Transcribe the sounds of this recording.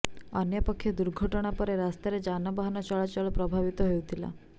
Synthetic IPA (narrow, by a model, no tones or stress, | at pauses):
ənjəpəkʰːjɔd̪uɾɡʱəʈəɽ̃apəɾeɾast̪eɾed͡ʒanɔbaɦanɔt͡ʃɔɭat͡ʃɔɭɔpɾɔbʱaʋit̪ɔɦejũt̪ʰila̰